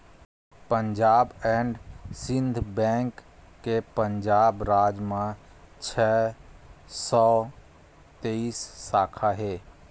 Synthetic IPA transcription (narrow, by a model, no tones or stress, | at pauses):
pənd͡ʒaːbɛɳɖsɪ̃nd̪ʱbɛ̃ŋkː | epənd͡ʒaːbɾaːd͡ʒmã | t͡ʃʰɛ | sɔː | t̪eisːaːkʰaɦe